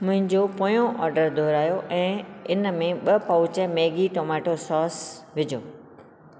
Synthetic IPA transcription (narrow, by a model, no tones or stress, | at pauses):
mʊ̃ɦɪ̃ɲd͡ʑopoːjõʔɔːɾɖəɾd̪ʱoːɾaːjoʔɛ̃ːɪnəmẽɓɐpɐʊt͡ɕəmeːɡiʈoːmaːʈosɔːsʋɪd͡ʑʱoː